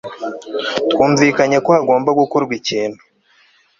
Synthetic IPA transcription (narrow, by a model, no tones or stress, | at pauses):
tkuːɱviːkaɲakoaɡo̞ːmbaɡukuɾɡwiciːnu̥